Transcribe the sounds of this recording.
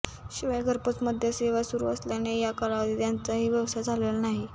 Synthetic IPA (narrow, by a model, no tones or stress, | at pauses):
ɕiʋajaɡʱəɾpət͡sməd̪ʱjəseʋasuɾṵə̰sljanejakəɾaʋd̪iːt̪jant͡saɦiːʋjəʋsad͡zʱalelənaɦi